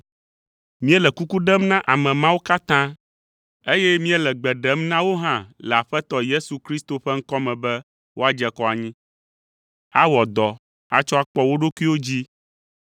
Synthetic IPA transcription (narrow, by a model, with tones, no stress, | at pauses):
mĩ˦ɛ˦lɛ˨ku˦ku˦ɖɛ˦mnã˦ʔa˨mɛ̃˨mã˦wo˦ka˦t̪ã˦ | e˦jɛ˦mĩ˦ɛ˦lɛ˨ɡ͡bɛ˨ɖɛ˦mnã˦wo˦ɦã˦lɛ˨a˨ɸɛ˦t̪ɔ˨je˦su˨kɾi˦st̪o˨ɸɛ˦ŋ̩˦kɔ˦mɛ̃˨bɛ˦ | wo˦a˨d͡ʒɛ˨kɔ˦a˨ɲĩ˦ | a˦wɔ˨d̪ɔ˨ | a˦t͡ʃɔ˦a˦k͡pɔ˦wo˦ɖo˦ku˦i˦wo˦d͡ʑi˦